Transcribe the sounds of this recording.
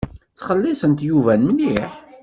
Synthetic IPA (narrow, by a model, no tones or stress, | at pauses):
t͡sχəlːisənt̪juvænməliħ